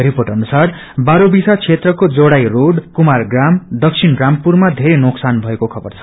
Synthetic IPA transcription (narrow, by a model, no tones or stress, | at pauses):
riporʈʌnusar | baɾobisat͡sʰet̪rʌkod͡zoɽajroɖkumarɡramd̪ʌksʰinrampurmad̪ʱeɾenoksanbʱʌekokʰʌbʌrt͡sʰʌ̥